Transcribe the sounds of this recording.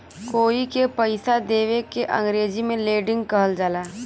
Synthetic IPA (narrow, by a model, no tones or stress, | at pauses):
koːikepəɪsad̪eːʋekeʔə̰̃ŋɡɾeːd͡ʒimẽleːɖɪ̃ŋɡkɐɦəld͡ʒaːlaː